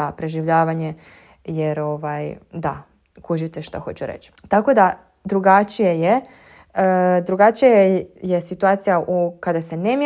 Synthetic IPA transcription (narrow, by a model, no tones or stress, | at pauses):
apɾe̞ʒiʋʎaːʋaɲe̞ | jeɾo̞ʋajd̪a̰ | kuʒit̪eʃt̪axo̞̰t͡ɕuɾḛt͡ɕt̪ako̞d̪a | d̪ɾuɡat͡ʃije̞je | d̪ɾuɡat͡ʃijajesit̪uat̪sijaʔukad̪ase̞nemje